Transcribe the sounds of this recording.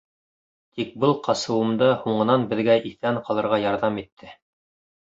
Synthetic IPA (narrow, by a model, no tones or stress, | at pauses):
t̪ʰik̚bɤlˠqʰɑsɤ̆wɤ̆md̪ɤhuɴɤ̆nɑnbɘ̆ðɡæʔiθæɴqɑlˠɤ̆ɾʁɑjɑɾðɑmit̪ʰːɘ